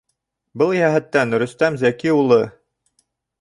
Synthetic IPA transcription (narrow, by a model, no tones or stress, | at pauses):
bɤlˠjæɦæt̪ːænɾɵ̆st̪æmzækiulˠɤ